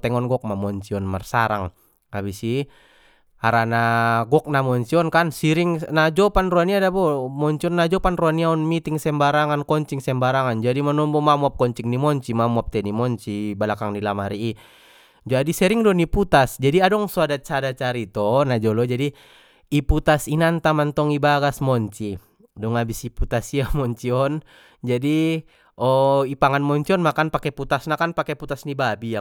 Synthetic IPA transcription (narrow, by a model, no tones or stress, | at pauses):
t̪ɛŋɔnɡɔk̚mamɔɲt͡ʃiɔnmarsa̰ɾa̰ŋ | abisi | aɾanaɡɔk̚namɔɲt͡ʃiɔnkansiɾiŋnad͡ʒɔpanruaniadabɔmɔɲt͡ʃiɔnːad͡ʒɔpanruaniaɔnmit̪iŋsɛmbaɾaŋankɔɲt͡ʃiŋsɛmbaɾaŋand͡ʒadimanɔmbɔmamuap̚kɔɲt͡ʃiŋnimɔɲt͡ʃimamuap̚t̪ɛnimɔɲt͡ʃibalakaŋnilamaɾiː | d͡ʒadisɛɾiŋdɔniput̪asd͡ʒadiadɔŋsuadat͡ʃadat͡ʃaɾit̪ɔnad͡ʒɔlɔd͡ʒadi | iput̪asinant̪amant̪ɔŋibaɡasmɔɲt͡ʃi | dɔŋabisiput̪asiamɔɲt͡ʃiɔn | d͡ʒadi | ɔipaŋanmɔɲt͡ʃiɔnmakanpakɛput̪asnakanpakɛput̪asnibabija